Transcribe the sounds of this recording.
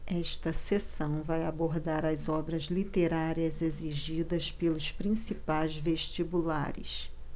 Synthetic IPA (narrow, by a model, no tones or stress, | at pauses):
ɛʃt̪ɐsesɐ̃w̃vajaboɾd̪aɾɐzɔbɾɐzlit̪eɾaɾiɐzeziʒid̪ɐspelʊspɾĩsipajzveʃt͡ʃibula̰ɾɪ̰s